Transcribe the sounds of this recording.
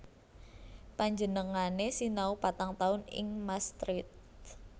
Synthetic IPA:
paɲd͡ʒənəŋanesinaupat̪aŋt̪aʊnɪ̰ŋmast̪ɾɪt̪̚

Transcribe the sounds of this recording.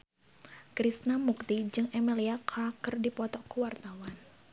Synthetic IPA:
kɾisnamuk̚t̪id͡ʒɨŋʔɛmiliakʰakərdipɔt̪ɔkuwart̪awan

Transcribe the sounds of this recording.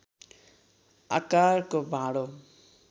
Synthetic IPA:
a̰kaɾkobʱaɽo

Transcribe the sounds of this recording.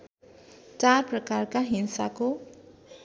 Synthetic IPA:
t͡sarprʌkarkaɦinsako

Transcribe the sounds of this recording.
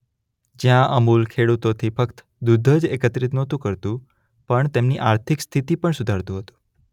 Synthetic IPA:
d͡ʒjãʔəmulkʰeɽut̪ot̪ʰifʰəkt̪ | d̪ud̪ʱːəd͡ʒekət̪ɾit̪nɔt̪ũkəɾt̪ũ | pəɳt̪emniʔaɾt̪ʰikst̪ʰit̪ipəɳsʊd̪ʱaɾt̪ũɦət̪ũ

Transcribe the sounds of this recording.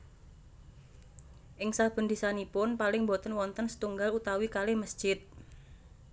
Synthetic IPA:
ʔɪŋsab̥ə̤nd̪isanipʊnpalɪŋmbot̪ənwɔnt̪ənsə̥t̪uŋɡalut̪awikaleməsd̥ʒ̥ɪt̪̚

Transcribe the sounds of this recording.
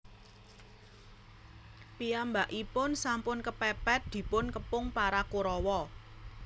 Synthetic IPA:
piambaʔipʊnsampʊnkəpɛpɛt̪̚d̪̥i̤pʊnkəpʊŋpaɾakuɾɔwɔ

